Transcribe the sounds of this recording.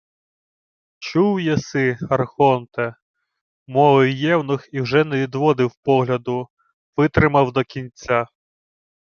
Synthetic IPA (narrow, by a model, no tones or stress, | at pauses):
t͡ʃuwjɛsɪɐrxɔnt̪ɛ | mɔlˠɔjjɛwnɪxiwʒɛnɛʋʲid̪ʋɔd̪ɪwpɔɦlʲɐd̪ʊ | ʋɪt̪ɾɪmɐwd̪ɔkʲinʲt͡sʲːa